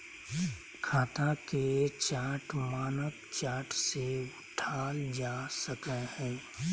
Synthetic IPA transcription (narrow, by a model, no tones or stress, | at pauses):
kʰaːt̪aket͡ʃaːʈʰmaːnəkt͡ʃaːʈseʊʈʰaːld͡ʒaːsəkɛhɛ̃ː